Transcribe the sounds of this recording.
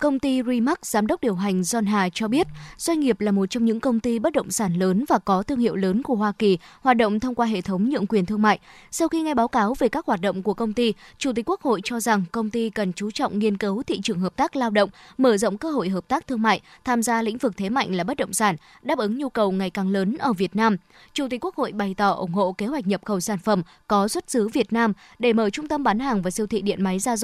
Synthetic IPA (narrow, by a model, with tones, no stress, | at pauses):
kə˧wŋ͡mt̪i˧zi˧ma˦˥k̚z̥aː˨˦mɗə˦˥k͡p̚ɗi˨˩əwɦa˨˩jŋ̟zɔ˧nɦaː˨˩t͡ɕɔ˧ɓi˦˥ət̚zwa˧jŋ̟ŋi˨˩əp̚laː˨˩mo˨˩t̚t͡ɕɔ˧ŋ͡mɲɨ̰˧˥ŋkə˧wŋ͡mt̪i˧ɓə˦˥t̚ɗə̰˧˨wŋ͡msaː˧˩nləː˨˦nvaː˨˩kɔ˨˦t̪ɨ˧əŋhḭ˧˨əwləː˨˦nku˧˩əhwaː˧ki˨˩hwaː˨˩t̚ɗə̰˧˨wŋ͡mt̪ʰə˧wŋ͡mkwaː˧ɦḛ˧˨t̪ʰə˨˦wŋ͡mɲɨ̰˧˨əŋkwi˨˩ənt̪ʰɨ˧əŋma̰ː˧˨jsa˧wxi˧ŋa˧jɓaː˨˦wkaː˨˦wve˨˩kaː˦˥k̚haː˨˩t̚ɗə̰˧˨wŋ͡mku˧˩əkə˧wŋ͡mt̪i˧t͡ɕu˨˧˩t̪i̟˨˩kwək̚ho̰˧˨jt͡ɕɔ˧za˨˩ŋkə˧wŋ͡mt̪i˧kə˨˩nt͡ɕu˨˦t͡ɕɔ̰˧˨ŋ͡mŋi˧ənkɨ˨˦wt̪ʰḭ˧˨t͡ɕɨ˨˩əŋɦəː˨˩p̚t̪aː˦˥k̚laː˧wɗə̰˧˨wŋ͡mməː˧˩zə̰˧˨wŋ͡mkəː˧ɦo̰˧˨jɦəː˨˩p̚t̪aː˦˥k̚t̪ʰɨ˧əŋma̰ː˧˨jt̪ʰaː˧mzaː˧lḭ̈˧˥ŋ̟vɨ˨˩k̚t̪ʰe˨˦ma̰˧˨jŋ̟laː˨˩ɓə˦˥t̚ɗə̰˧˨wŋ͡msaː˧˩n | ɗaː˦˥p̚ʔɨ˨˦ŋɲu˧kə˨˩wŋa˨˩jkaː˨˩ŋləː˨˦nʔəː˧˩vi˨˩ət̚naː˧m | t͡ɕu˧˩t̪i̟˨˩kːu˦˥əkho̰˧˨jɓa˨˩jt̪ɔ˧˩ʔʊ̰˨˧˩ŋ͡mho̰˧˨ke˨˦ɦwa˨˩jk̚ɲə˨˩p̚xə˧˩wsaː˧˩nfə˨˩m | kɔ˨˦swə˦˥t̚sɨ˨˦vi˨˩ət̚naː˧m | ɗe˧˩məː˧˩jt͡ɕʊ˧ŋ͡mt̪ə˧mɓaː˨˦nhaː˨˩ŋvaː˨˩si˧wt̪ʰḭ˧˨ɗḭ˧˨ənma˨˦jzaː˧z